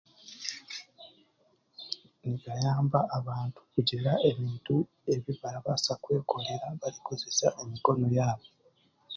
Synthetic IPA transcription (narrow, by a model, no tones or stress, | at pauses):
niβajaːmbaʔːβaːntu̥kuɟelaeβiːntu | e̞βiβalaβasakwe̞ːkoleɾaβaliko̞ze̞saʔe̞miko̞no̞jaːβo